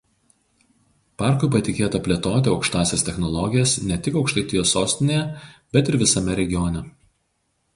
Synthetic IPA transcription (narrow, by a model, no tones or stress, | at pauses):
pɑˑɾkʊɪpɐt̪ʲɪkʲeːt̪ɐpʲlʲeɛt̪oːt̪ʲɪɒʊkʃt̪ɑːsʲɛst̪ʲɛxnɔlˠɔɡʲɪjɛsnʲɛt̪ʲɪkɒʊkʃt̪ɐɪt̪ʲɪjoːsoːsʲt̪ʲɪnʲeːjɛbʲɛt̪ɪɾʋʲɪsɐmʲɛɾʲɛɡʲɪjɔnʲɛ